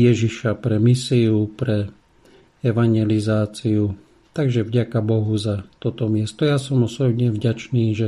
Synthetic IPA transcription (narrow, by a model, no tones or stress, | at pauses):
jɛʒiʃapɾɛmisiupɾɛ | ɛʋaɲjɛlizaːt͡siu | t̪aɡʒɛvɟakabɔɦuzat̪ɔt̪ɔmɪɛst̪ɔjasɔmɔsɔbɲɛvɟat͡ʃniːʒɛ